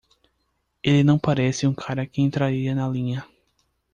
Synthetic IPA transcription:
elɪnɐ̃w̃paɾɛsɪũkʰaɾɐkɪẽt̪ɾaɾiɐnɐlĩɲɐ

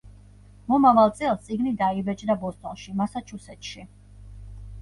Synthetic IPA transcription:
mɔmavalˠt̪sʼɛlˠt̪sʼiɡnid̪aibɛt͡ʃʼd̪abɔst̪ʼɔnʃimasat͡ʃʰusɛt̪ʰʃi

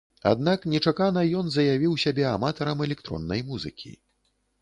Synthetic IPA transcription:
a̰d̪naknʲɛt͡ʂakanɐjɔnzɐjavʲiwsʲabʲɛamat̪ɐɾɐmɛlʲɛkt̪ɾɔ̰nːɐjmuzɨ̰kʲʰḭ

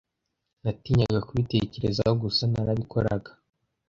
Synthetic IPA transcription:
natiːɲaɡakuβite̞ce̞ɾe̞zahoɡusanaɾaβikʰo̞̰ɾaɡḁ

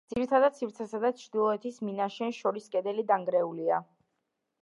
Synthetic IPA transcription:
d̪z̥iɾit̪ʰad̪ad̪̚sʰifɾt̪sʰɛsad̪at͡ʃʰɾd̪ilˠɔɛt̪ʰisminaʃɛnʃɔɾiskʼɛd̪ɛlid̪aŋɡɾɛulia

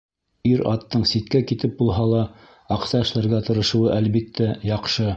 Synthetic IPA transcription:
iɾɑt̪ːɤɴsit̪̚kækit̪ɘp̚bulˠɦɑlˠɑ | ɑqsɑɘ̆ʃlæɾɡæt̪ɤ̆ɾɤ̆ʃɤ̆wɤʔælβit̪ːæjɑqʃɤ

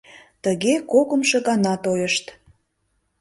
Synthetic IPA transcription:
t̪əɣekoɣə̆mʃɤɣɑnɑt̪ojəʃt̪

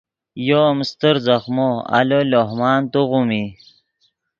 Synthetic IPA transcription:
jomst̪əɾzɐχmoa̰loloɦmɑːnt̪oʁumi

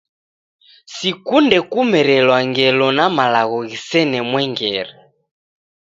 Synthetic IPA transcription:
sikundɛkumɛɾɛlwaŋɡɛlɔnamalaɣɔɣisɛnɛmwɛŋɡɛɾɛ

